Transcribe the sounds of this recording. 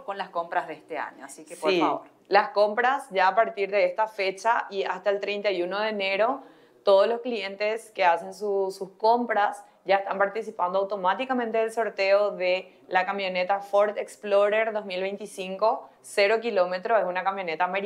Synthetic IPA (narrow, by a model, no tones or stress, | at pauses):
konlaskompɾaɦðeest̪ea̰ɲo̰asikespoɾifaβoɾ | lasko̞mpɾasʝaːpaɾt̪iɾðe̞est̪afet͡ʃaʔiast̪aelt̪ɾejnt̪ajuno̞ðeːne̞ɾo̞ | t̪o̞ðolosklient̪eske̞ase̞nsususko̞mpɾas | ɟ͡ʝaest̪ampaɾt̪isipand̪oawt̪o̞mat̪ikamẽnt̪eðelso̞ɾt̪eoðe | lakamjo̞net̪afoɾt̪eksploɾeɾðosmilβejnt̪isiŋko̞ | seɾo̞k̬ilo̞me̞t̪ɾoesunakampjo̞net̪ameɾi